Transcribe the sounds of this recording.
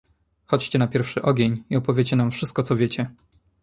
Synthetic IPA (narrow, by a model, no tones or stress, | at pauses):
xɔt͡ɕt͡ɕɛnapʲjɛɾfʂɘʔɔɡʲeɲiɔpɔvʲjet͡ɕɛnamfʂɘst̪kɔt̪sɔvʲjet͡ɕɛ